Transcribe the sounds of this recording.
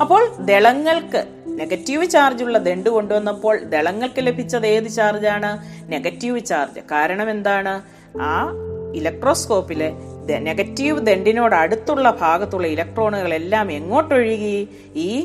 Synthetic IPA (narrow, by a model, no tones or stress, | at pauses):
ɐpːo̞ːɭd̪e̞ɭɐŋːɐɭkɨ | ne̞ɡɐtːiʋɨt͡ɕaːrd͡ʑuɭːɐd̪e̞ɳɖuko̞ɳɖuʋɐnːɐpːo̞ːɭd̪e̞ɭɐŋːɐɭkɨle̞bʱit͡ɕːɐðe̞ːðɨt͡ɕaːrd͡ʑaːɳɨ | ne̞ɡɐtːiʋɨt͡ɕaːrd͡ʑɨ̰kaːɾɐɳɐme̞nd̪aːɳɨ | aːilɐk̚ʈro̞ːsko̞ːpːiled̪eneɡɐtːiʋɨd̪e̞ɳɖino̞ːɽɨɐɽut̪ːuɭːɐbʱaːɡɐt̪ːuɭːɐilɐk̚ʈro̞ːɳuɣɐɭe̞lːaːme̞ŋːo̞ːʈːoɻjuɣɐju | iː